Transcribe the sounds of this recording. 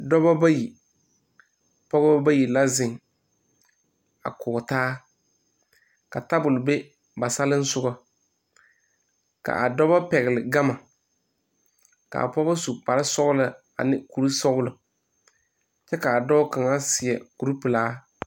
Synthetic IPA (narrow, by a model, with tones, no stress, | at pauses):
dɔ˦ba˦ba˦ji˨ | pɔ˦ɣɔ˦bba˦ji˨la˦zɪ˨ŋ | a̰˨kʊ˨taː˦ | ka˨ta˦bʊ˨lʊ˨be˦ | ba˨sa˦lɪ˦n̩˦sʊ˦ɡɔ˦ | ka̰˨ʔa˨dɔ˦ba˦pɛ˨ɣɪ˨lɪ˨ɡa˦ma˨ | ka̰˨a̰˨pɔ˦ba˦su˨pa˨ɾɪ˦sɔ˦ɣʊ˦lɪ˨ | a̰˨nɪ˦ku˨ɾu˦sɔ˦ɣʊ˦lɨ˨ | t͡ʃɛ˦ka˨a˨dɔ˦ka˨ŋa˦sɪ˨ɛ˨ku˨ɾu˦pɨ˨laː˦